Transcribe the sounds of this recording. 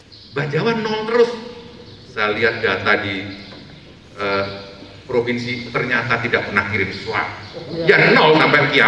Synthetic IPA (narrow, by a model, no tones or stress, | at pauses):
bad͡ʒawanːɔlt̪əɾʊs | sajaliɦat̪̚dat̪adi | ʔə | pɾofinsit̪ərɲat̪at̪idaʔpənakiɾɪnsə̥sua̰janɔlsampakia